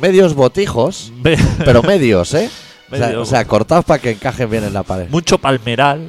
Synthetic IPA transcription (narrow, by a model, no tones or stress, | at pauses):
me̞ðjo̞zβo̞t̪ixo̞spe̞ɾo̞me̞ðjo̞se | seoseako̞ɾt̪aospake̞ːŋkaxe̞mbjenenlapaɾe̞ðmũt͡ʃopalme̞ɾal